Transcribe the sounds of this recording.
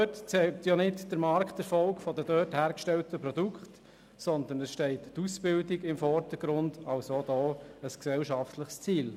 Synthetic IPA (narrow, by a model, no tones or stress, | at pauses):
øtt͡sɛlt̪jonɪtd̥əɾmɑɾkχtɛɾfɔlkfɔdədøːthæːɾkʃtɛltəpɾɔdukχt | sɔnd̪ənəsʃtɛɪtːusb̥ɪldɪɡɪmfɔɾdəɡ̥ɾʊndɑlsod̥̪ɔːəsksɛlʃɑftləχst͡siːl